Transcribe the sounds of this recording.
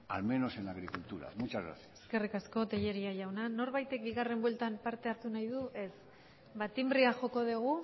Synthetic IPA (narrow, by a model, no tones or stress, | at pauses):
a̰lme̞no̞senaɣɾikult̪uɾa̰mut͡ʃazɣɾa̰θjeske̞rikasko̞t̪eʎe̞ɾiaʝawnano̞ɾβajt̪e̞k̚biɣare̞mbwelt̪ampaɾt̪e̞aɾt̪unajðuʔe̞s | βat̪imbriaʝo̞ko̞ðeɣ̞u